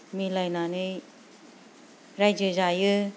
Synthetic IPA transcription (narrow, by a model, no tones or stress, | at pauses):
milajnanɯ | ɾajd͡ʒɯzajɯ